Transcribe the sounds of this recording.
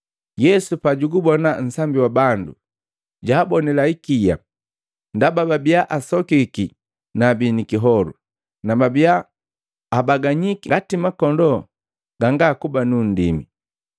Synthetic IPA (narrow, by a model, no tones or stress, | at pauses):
jɛsupaɟuɡubɔnan̩sambiwabandṵ | ɟaːbɔnɛlaikija̰ | ndabababiaʔasɔkiki | nabinikiɦɔlṵ | nababiaː | baɡaɲikiɡatimakɔndɔ | ɡ̥aŋɡakubanun̩dḭmi